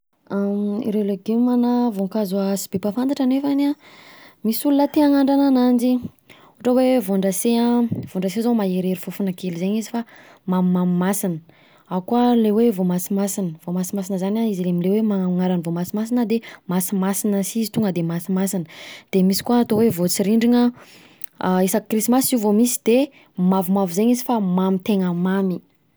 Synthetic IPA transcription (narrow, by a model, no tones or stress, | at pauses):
aḭɾeleɡemanavoŋkazuasi̥b̥epafant̪aʈ͡ʂanefana | misulunət̪iaŋaɳɖ͡ʐananand͡ʒi | uʈ͡ʂəwevoɳɖ͡ʐaseavoɳɖ͡ʐasezomaeɾeɾifufunakelizeɲizifa | mammamimasinə | aukualewevomasimasinəvomasimas̬inəzanaizilemilewemaŋaɾanivomasimasinəd̪emasimasinəsizit̪uŋɡəd̪emasimasinəd̪̥emisi̥kuaːt̪owevot͡siɾiɳɖ͡ʐiŋə | isakrisimasiuvomisi̥d̪̥e | mavumavuzeɲizifamamit̪eŋəmami